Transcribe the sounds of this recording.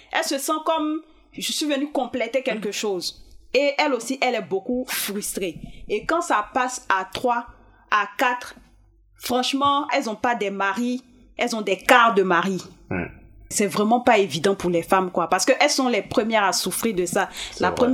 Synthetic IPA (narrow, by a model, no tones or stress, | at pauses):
ɛ̰lsəsɑ̃kɔm | ʒəsɥivənykɔ̃plɛt̪ekʲɛlkəʃozeɛlosiʔɛlɛbokufʁyst̪χeekɑ̃sapasat̪χwa | akat̪χ | fχɑ̃ʃmɑ̃ɛlzɔ̃pad̪ɛmaʁi | ɛlzɔ̃d̪ɛkaʁd̪əmaʁi | sɛvʁɛmɑ̃paevid̪ɑ̃puʁlɛfamkwapaʁsə̥køʔɛlsɔ̃lɛpχəmjɛʁasufʁiʁd̪əsalapəm